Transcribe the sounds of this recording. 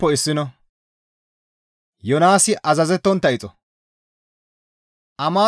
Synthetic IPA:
ɔɪsːɪnɔ | jɔnaːsɪʔɐzɐzɛt̪ːɔnt̪ːɐɪt͡sʼɔ | ʔɐmaː

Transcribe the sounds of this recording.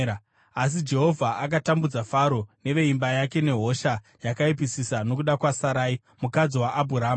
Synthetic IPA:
as̬id͡ʒe̞ɦo̞vʱaʔak̬atambud͡zafaɾo̞ne̞ʋe̞imbajake̞ne̞ɦo̞ʃa | jakaip̬isisano̞k̬uɗakwasaɾaːi | mukad͡ziwaʔːbʱuɾaːm

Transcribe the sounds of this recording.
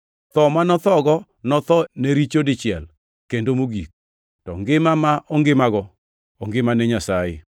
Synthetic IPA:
t̪ɔmanɔt̪ɔɡɔ | nɔt̪ɔneɾit͡ʃodɪt͡ʃɪɛl | kendomoɡik̚ | tɔ̰ŋɡɪmamaʔɔŋɡɪmaɡɔ | ɔŋɡɪmanɛɲasajɪ̰

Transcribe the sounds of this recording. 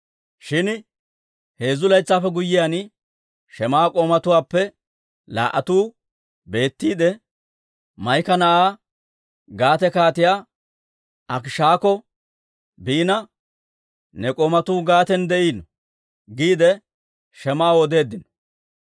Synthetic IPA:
ʃɪn | he̞ːzʊlɐjt͡sːaːfɛɡʊjːɪjaːn | ʃɛmaːkʼoːmɐt̪ʊwaːpːɛ | la̰ːʔɐt̪uː | be̞ːt̪ːiːd̪ɛ | mɐjkɐnɐʔaː | ɡaːt̪ɛkaːt̪ɪjaː | ʔɐkʃaːkɔ | biːnɐ | nɛkʼoːmɐt̪uːɡaːt̪ɛnd̪ɛʔiːnɔ | ɡiːd̪ɛ | ʃɛmaːwɔd̪e̞ːd̪ːɪnɔ̥

